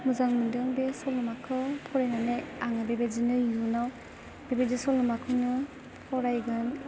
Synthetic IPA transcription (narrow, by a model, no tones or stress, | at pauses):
muzaŋmɯndɯŋbesɔlumakʰɯwpʰɔɾenaneaŋɯbebezinɯjunaw | b̥ebezisɔlumakʰɯnɯ | pʰɔɾajɡɯn